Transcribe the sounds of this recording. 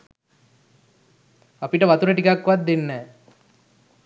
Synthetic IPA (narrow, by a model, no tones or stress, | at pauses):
apiʈəʋat̪uɾəʈikakːʋat̪̚d̪enːɛː